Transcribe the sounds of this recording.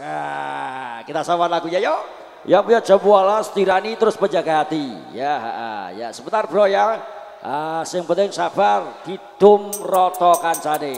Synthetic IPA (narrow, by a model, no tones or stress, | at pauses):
a | kit̪asawat̪laɡuɲajɔ | japuɲḁd͡ʒəbualasə̥t̪iɾanit̪əɾʊspəɲd͡ʒaɡaɦat̪ijaɦa̰ʔə̰ja̰səbənt̪arb̥əɾɔja | əsɪŋpənt̪ɪŋsab̥arhid̪̥ʊmrɔt̪ɔkansade